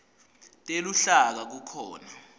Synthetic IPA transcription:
tʼeluɬak̬ak̬ukʰɔːna

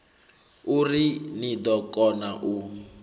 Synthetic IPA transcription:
urinid̪ɔkʼɔnaʔu

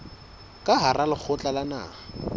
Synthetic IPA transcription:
kʼaɦaralɪk͡xʰʊt͡ɬʼalana̰ː

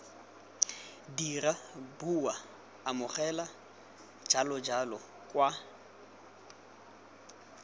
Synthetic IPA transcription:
dirabuwaː | mʊχɛla | d͡ʒalɔd͡ʒalɔ | kʼwa

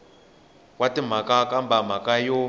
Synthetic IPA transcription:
kwatim̤akakambam̤akajo

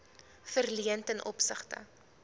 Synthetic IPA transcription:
fərliəntənʔɔ̰psəχtə̰

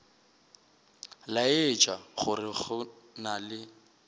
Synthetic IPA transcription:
laɪt͡ʃʼaχʊrɪχʊ | nalɪ

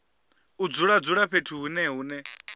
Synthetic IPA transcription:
ud͡zuɺad͡zuɺaɸʰetʰuɦunɛɦuːnɛ

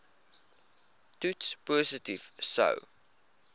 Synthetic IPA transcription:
tutspoːsətivsə̰w

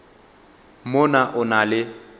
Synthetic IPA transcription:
mʊnaʔʊnalɪ

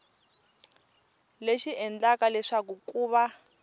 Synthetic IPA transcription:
leʃiɛnd͡ɮakalɛʂak̬ukuːβa

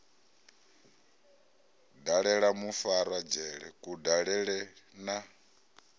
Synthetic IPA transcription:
daɺɛɺamufaɾwad͡ʒɛɺɛkʼudaɺɛɺɛna

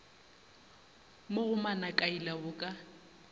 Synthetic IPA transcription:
moɣʊmanakʼailaʊkʼa

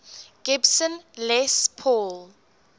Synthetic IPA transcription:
ɡ̥ɪbsə̃nlɛspʰɔl

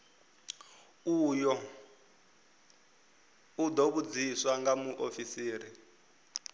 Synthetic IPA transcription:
ujɔ | ud̪oβud͡ziswaŋɡamuʔofisiːɾi

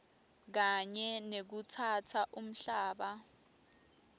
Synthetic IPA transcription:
k̬aɲɛnek̬utʰatʰaʔum̩ɬaːɓa

